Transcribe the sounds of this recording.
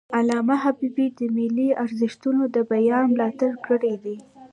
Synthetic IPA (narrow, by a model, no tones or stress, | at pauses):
alɑmaɦabibid̪əmɪliaɾzɪʃt̪unod̪əbajɑnmlɑt̪aɽkəɽed̪i